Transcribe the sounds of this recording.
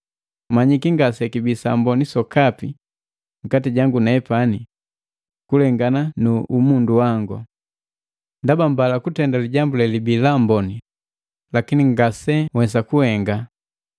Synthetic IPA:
maɲikiŋɡasɛkibisa̰mbɔnisɔkapi | ŋ̩katiɟaŋɡunaɛpani | kulɛŋɡananuʔumunduwaŋɡṵ | ndabambalakutɛndaliɟambulɛlibilambɔni | lakiniŋɡasɛwɛs̬akuhɛŋɡa

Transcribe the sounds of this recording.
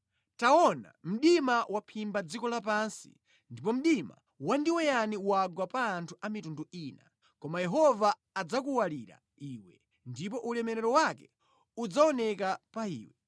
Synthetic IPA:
taɔna̰m̩ɗimawʔapʰimbad͡zikɔlap̬ansḭ | ndipɔm̩ɗima̰ | wandiwɛjaniwaɡwapaːntʰuʔamitunduiːna | kɔmajɛɦɔvaː | d͡zak̬uwaliɾa̰ | iːwɛ | ndip̬ɔʔulɛmɛɾɛɾɔwakɛ | ud͡zaɔnɛkapaḭːwɛ̰

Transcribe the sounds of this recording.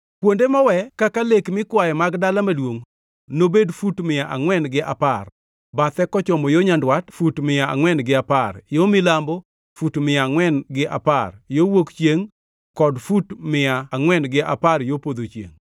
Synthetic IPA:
kwondemɔwɛkakalekmɪkwajɛmaɡdalamalwoŋ | nobedfutmɪjaʔaŋwɛnɡɪʔa̰par | bat̪ɛkɔt͡ʃɔmɔjoɲandwatfutmɪjaa̰ŋwɛnɡɪaparjomɪlambɔ | futmɪjaŋwɛnɡɪʔa̰parjowokt͡ʃjeŋ | kɔdfutmɪjaːŋwɛnɡɪʔaparjopod̪ot͡ʃjḛŋ

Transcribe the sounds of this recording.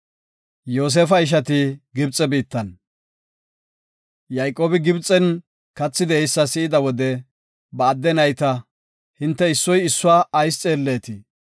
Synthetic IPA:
jo̞ːs̬eːfɐɪʃ̬ɐt̪ɪɡɪbt͡sʼːɛbiːt̪ːɐn | jɐjkʼːoːbɪɡɪbt͡sʼːɛn | kɐt͡sːɪd̪ɛːjsːɐsɪɪd̪ɐwɔd̪ɛ | bɐːd̪ːɛnɐjt̪ɐ | hɪnt̪ːɛɪsːɔjɪsːʊaːʔɐjst͡sʼeːlːeːt̪ɪ

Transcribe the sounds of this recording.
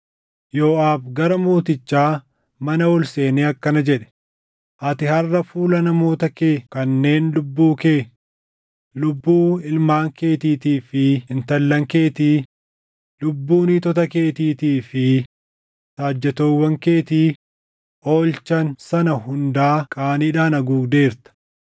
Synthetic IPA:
joːʔaːfɡɐɾɐmuːt̪ɪt͡ʃːaː | mɐnɐwɔlse̞ːneːɐkːɐnɐd͡ʒɛᶑɛ̥ | ʔɐt̪ɪhɐrːɐfuːlɐnɐmo̞ːt̪ɐkeːkɐnːe̞ːnlʊbːuːkeː | lʊbːuːɪlmaːŋke̞ːt̪iːt̪iːfɪɪnt̪ɐlːɐŋke̞ːt̪iː | lʊbːuːnit̪ɔt̪ɐke̞ːt̪iːt̪iːfɪ | t̪aːd͡ʒːɛt̪oːwːɐŋke̞ːt̪iː | ʔoːlt͡ʃɐnsɐnɐhʊnd̪aːkʼaːniːᶑaːnɐɡuːɡd̪e̞ːɾt̪ɐ̥

